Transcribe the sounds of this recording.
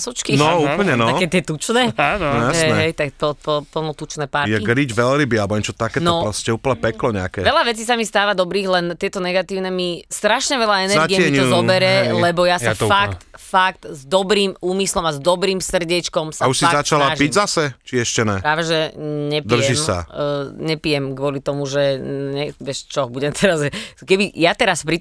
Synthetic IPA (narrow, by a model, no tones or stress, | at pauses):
sɔt͡ʃkinɔuːpl̩ɲɛnɔaɛt̪ɪɛt̪ut͡ʃnɛːajaɦsɛnɛɦɛjt̪akt̪ɔpɔpl̩nɔt̪ut͡ʃnɛːpaɾjɛɡɾiɟʋɛlɾibialbɔɲɛt͡ʃɔt̪akɛːnɔpɾɔscɛuːp̩ɲɛpɛklɔɲɛakɛʋɛʎaʋɛt͡siːs̬amist̪aːʋad̪ɔbɾiːɣlɛnt̪ɪɛt̪ɔnɛɡat̪iːʊnɛmist̪ɾaʃɲɛʋɛʎaɛnɛɾaɡiɛmɛiɲɔɔbɛɾɛɛlɛbɔjasɔfakt̪fak̚t̪zd̪ɔbɾiːmuːmislɔmazd̪ɔbɾiːmsr̩ɟɛt͡ʃkɔmsauʃsizat͡ʃalapiɟzasɛt͡ʃiɛʃcɛnɛpɾaːʋɛʒɛɲɛpd̪r̩ʒɛimsa̰ɲɛpijɛmkʋʊɔlit̪ɔmuʒɛɲɛʋɪɛʃt͡ʃɔbuɟɛmt̪ʰɛɾazʒɛkɛbijat̪ɛɾaspɾi